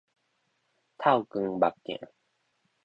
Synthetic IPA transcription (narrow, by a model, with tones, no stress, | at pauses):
t̪ʰa˥˩wkɯ˧ŋba˨˩p̚kɛ̰̃˨ʔ